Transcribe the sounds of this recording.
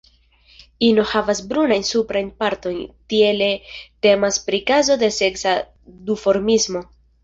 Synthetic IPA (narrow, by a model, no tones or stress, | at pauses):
ino̞havasbɾunajnsupɾajnpaɾto̞jntie̞lete̞maspɾikazo̞de̞se̞ksa | dufo̞ɾmizmo̞